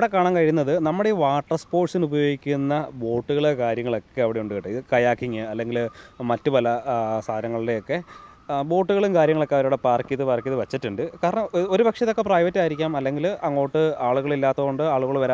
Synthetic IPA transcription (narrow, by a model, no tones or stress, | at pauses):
ɽekːaːɳaːnkɐɻiunːɐðɨnɐmːuɽeʋaːʈːɐspo̞ːrʈsinubɐjo̞ːɡikʲːunːɐbo̞ːʈːuɣɐɭkaːɾjɐŋːɐɭo̞kːe̞ɐʋiɽe̞uɳɖuɣiʈːɨiðɨkɐjaːkiŋːɨɐlːe̞ŋɡilmɐtːupɐlɐsaːɾɐŋːɐɭile̞jo̞kːe̞ | bo̞ːʈːuɣɐɭumkaːɾjɐŋːɐɭo̞kːeɐʋɐɾuːɽepaːrkiðɨpaːrkiðɨʋɐt͡ɕːitːuɳɖɨkaːɾɐɳɐmo̞ɾubɐkʂɐtðokːe̞prɐːjʋɐtːiaːjiɾikʲːaːmɐlːe̞ŋɡilɐŋːo̞ːʈːɨaːɭuɣɐɭilːaːt̪ːɐɣoɳɖɨaːɭuɣɐɭʋɐɾa